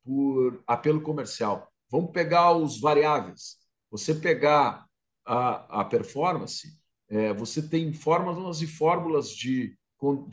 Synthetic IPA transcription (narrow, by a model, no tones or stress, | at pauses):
pʊɾapelʊkomeɾsiaw | vɐ̃mʊpeɡaʊzvaɾiavejs | vosepeɡa | aɐ̰peɾfɔɾmɐ̃sɪ̥ | ɛvoset̪ẽj̃fɔɾmɐzõɐzɪfɔɾmulɐzd͡ʒɪ | kõ